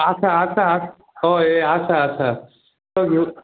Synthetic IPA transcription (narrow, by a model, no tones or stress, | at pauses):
ɐt͡ʃʰaːt͡ʃʰa | oeat͡ʃʰaːt͡ʃʰa | t̪oɡi